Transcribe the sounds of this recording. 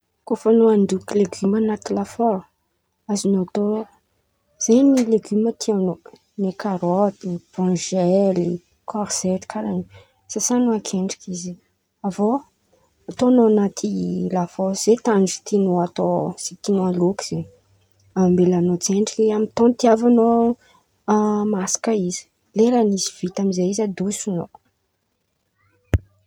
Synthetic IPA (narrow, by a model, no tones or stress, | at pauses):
kofanoaɳdukileɡymanat̪ilafo | azinoat̪o | z̥ejnileɡymət̪ʰiano | nekaɾɔt̪iv̥ãʒɛli | kʰɔɾz̥ɛt̪i̥kʰaɾani | sasanuakʰeɳɖ͡ʐi̥kizi | avo | at̪onoanat̪ʰilafoz̥et̪and͡ʒi̥t̪inuat̪oz̥it̪inualukiz̥e | ammbelanot͡seɳɖ͡ʐikamit̪õnt̪iavano | masi̥kəizi̥ | leɾaniziv̥it̪amizeizad̪usuno